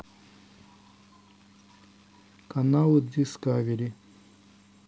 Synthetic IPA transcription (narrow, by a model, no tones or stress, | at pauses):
kanawud̪iskaʋiɾi